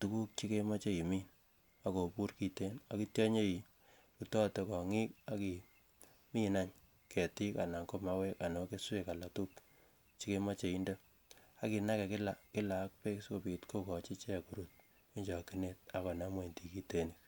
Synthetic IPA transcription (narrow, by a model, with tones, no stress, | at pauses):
tu˨ku˦k̚t͡ʃi˦ke˦ma˦t͡ʃe˦i˨mi˦n | a˨ko˨pu˦rki˨te˦na˨ki˦tjɔ˦ɲe˦i˨ | ru˨tɔ˦to˨kɔ˨ŋi˦ka˦ki˨ | mi˦na˦ɲ | kɛ˨ti˦ka˨na˨ŋko˦ma˦we˦ka˨nɔ˨ke˦swe˦ka˨la˨tu˦k | t͡ʃi˦ke˦ma˦t͡ʃe˨i˦ndo˦ | a˦ki˨na˦kɛ˨kɪ˦la˨kɪ˦la˨˦k̚pe˦ksko˨pi˨tko˦kɔ˨t͡ʃi˦t͡ʃɛ˦˨ku˦ɾu˦t̚ | i˦ɲd͡ʒɔ˨ki˦ne˦t̚a˨kɔ˨na˦mwe˨nti˨ki˦te˦ni˨k